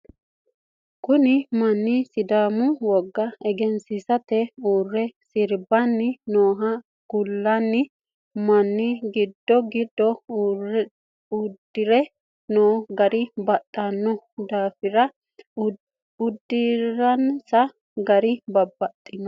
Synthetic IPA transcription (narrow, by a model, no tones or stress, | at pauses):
kʊnɪmɐnːɪsɪd̪aːmʊwɔɡːɐɛɡɛnsɪsɐt̪ɛuːrːɛsɪɾbɐnːɪnoːɦɐ | ɡ̥ʊlːɐnːɪ | mɐnːɪɡɪd̪ːɔɡɪd̪ːɔ | ud̪ːɪɾɛ | noːɡɐɾɪbɐt̪ʼːɐnːɔd̪aːfɪɾɐ | ʊd̪ːiɾɐnsɐ | ɡɐɾɪbɐbːɐt̪ʼːɪnɔ